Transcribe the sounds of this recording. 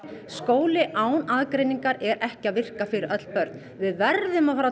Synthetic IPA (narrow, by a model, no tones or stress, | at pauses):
skoːwlɪʔaːwnaðkɾejniŋkaɾɛɾɛhcɪaðvɪr̥kafɪɾɪɾʔœt̪l̥pœɾt̪n | vɪðvɛɾðʏmaðfaɾa